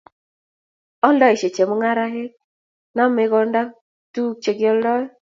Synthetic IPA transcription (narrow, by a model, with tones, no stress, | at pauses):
ɔ˦ldɔ˦ɪ˨ʃe˨t͡ʃe˨mo˦ŋa˦ɾa˦ɦe˦k̚ | na˦mɪ˦ɡɔ˦nda˦ | tu˦k̚t͡ʃe˨ɡɪ˦ɔ˦ldɔ˦